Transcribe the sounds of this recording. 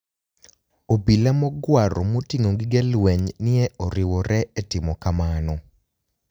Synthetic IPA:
obilamɔɡwaɾɔmotiŋoŋɡɪɡɛlwɛɲnɪɛɔɾɪwɔɾɛɛtɪmɔkamanɔ

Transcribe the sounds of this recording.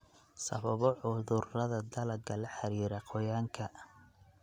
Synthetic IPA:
sɐ̰βɐβɔʕʊðʊrɐðɐd̪ɐlɐɡɐlɐħɑɾiːɾɐqʰɔjaːŋkʰɐ

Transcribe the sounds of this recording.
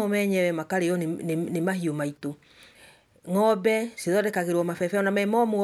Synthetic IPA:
omɛɲɛwɛmakaɾejɔnnemaɦiomaito | ŋɔbɛseðɔdɛkaɣeɾwɔmafɛfɛɔnamɛmɔmo

